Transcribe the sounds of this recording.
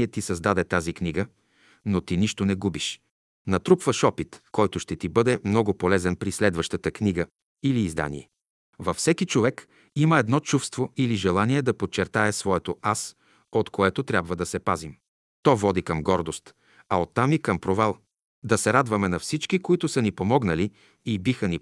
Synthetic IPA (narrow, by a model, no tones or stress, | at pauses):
ɛt̪isɐzd̪ad̪ɛt̪azikniɡə | not̪iniʃt̪onɛɡubiʃ | nɐt̪ɾupvəʃɔpit̪kɔjt̪ʊʃt̪ɛt̪ibɤd̪ɛmnɔɡʊpolɛzɛnpɾislɛd̪vəʃt̪ət̪əkniɡə | iliːzd̪a̰nḭɛ | vɐfsɛkit͡ʃovɛk | iməɛd̪nɔt͡ʃufst̪voiliʒɛlˠaniɛd̪ɐpot͡ʃːɛɾt̪aɛsvɔɛt̪oʔas | ot̪koɛt̪ot̪ɾʲjabvəd̪ɐsɛpazim | t̪ɔvɔd̪ikəmɡɔɾd̪ost̪ | ɐot̪ːamikɐmpɾovalˠ | d̪ɐsɛɾad̪vɐmɛnɐfsit͡ʃkikoit̪ʊsənipomɔɡnəli | ibixəni